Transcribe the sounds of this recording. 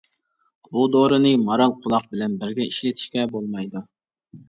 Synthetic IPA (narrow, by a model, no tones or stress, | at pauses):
bud̪oɾɨnɨmɑɾɑlˠqʰʊlˠɑq̚bɪlɛnbɪɾɡʲɛiʃlɪt̪ʰi̥ʃkʲɛbolˠmɑjd̪u